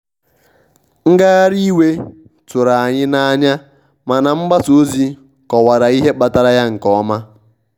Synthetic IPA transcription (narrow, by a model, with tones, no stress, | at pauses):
ŋ̩˦ɡa˦a˦ɾi˦we˦ | tʊ˨ɾa˨a˨ɲɪ˦na˦a˦ɲa˦ | ma˨na˨m̩˦ɡ͡ba˦to˨˦zi˦ | kɔ˨wa˨ɾa˨i˦ɦe˦k͡pa˨ta˦ɾa˦ja˦ŋ̩˨kɔ˦ma˦